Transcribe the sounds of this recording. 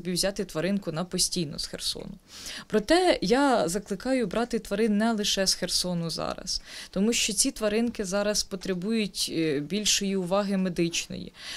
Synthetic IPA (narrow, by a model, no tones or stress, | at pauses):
bʲiwzʲɑt̪ɪt̪ʋɐɾɪnkʊnɐpɔsʲtʲijnɔ̰sxersɔ̰nʊ | pɾɔt̪ɛjɑzɐklˠɪkɑjʊbɾʔɑt̪ɪt̪ʋɐɾɪnːɛlˠɪʃɛsxersɔnʊzɑ̰ɾɐ̰st̪ɔmuʃt͡ʃɔt͡sʲit̪ʋɐɾɪnkɪzɑɾɐspɔt̪ɾebujʊtʲbʲilʲʃɔjiʊʋɑɦɪmed̪ɪt͡ʃnɔ̰jḭ